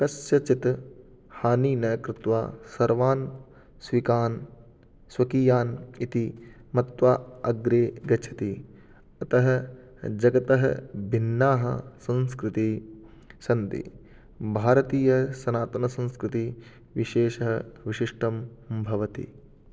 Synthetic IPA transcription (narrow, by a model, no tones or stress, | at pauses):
kɐsjɐt͡ʃit̪ | haːniːnɐkɾɪt̪ʋaːsɐɾʋaːn | sʋikaːn | sʋɐkiːjaːnit̪imɐt̪ʋaːɐɡɾeːɡɐt͡ʃʰɐt̪i | ɐt̪ɐɦɐ | d͡ʒɐɡɐt̪ɐɦɐ̰bʱinːaːɦɐ̰sɐ̃nskɾɪt̪i | sɐnt̪ḭ | bʱaːɾɐt̪iːjɐsɐnaːt̪ɐnɐsɐ̃nskɾɪt̪i | ʋiʃeːʃɐɦɐʋiʃiʂʈɐmbʱɐʋɐt̪ḭ